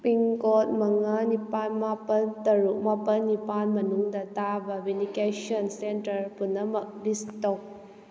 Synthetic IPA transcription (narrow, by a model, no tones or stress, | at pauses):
piŋkot̚mɐŋanipanmapɐntɐɾuk̚mapɐnːipanmɐnuŋdɐtabɐbindikesɔnsentɐɾpunːɐmɐk̚distɔk̚